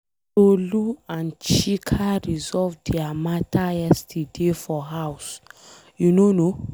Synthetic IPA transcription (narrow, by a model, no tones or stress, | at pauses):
toluãnt͡ʃikʰaɾizɔvdiamatʰaɛstʰidefɔɦaws | junono